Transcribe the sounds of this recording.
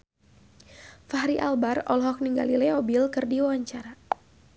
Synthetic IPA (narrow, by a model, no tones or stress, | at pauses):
faɦɾiʔalbarɔ̰lɦɔk̚niŋɡa̰lilɛɔbilkɨrdiwawaɲt͡ʃaɾa